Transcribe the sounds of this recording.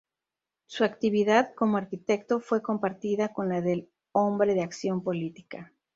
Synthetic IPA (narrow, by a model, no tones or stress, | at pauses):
suakt̪iβiðaðko̞mo̞aɾkit̪e̞kt̪o̞fwe̞ko̞mpaɾt̪iðako̞nlaðe̞l | o̞mbɾe̞ðeaksjo̞mpo̞lit̪i̥ka